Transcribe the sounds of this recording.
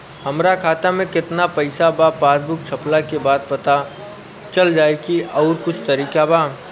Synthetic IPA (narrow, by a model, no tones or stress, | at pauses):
hɐmɾakʰaːt̪amẽkɪt̪napɐɪsabapaːd̪bʊk̚t͡ʃʰɐplakebaːd̪̚pɐt̪a | t͡ʃɐld͡ʒaːekiʔɔːɾkʊt͡ʃʰt̪ɐɾiːkabaː